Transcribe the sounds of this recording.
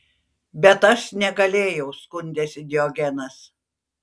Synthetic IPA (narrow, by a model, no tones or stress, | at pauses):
bʲɛt̪ɐʃnʲɛɡɐlʲeːjɛʊskʊnʲd̪ʲesʲɪd̪ʲɪɔɡʲɛnɐs